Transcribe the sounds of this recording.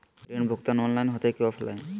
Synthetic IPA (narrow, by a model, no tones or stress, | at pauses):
ɾeɳbʱok̚t̪anɔnlajnɦɔt̪ekewafʰɛla̰jn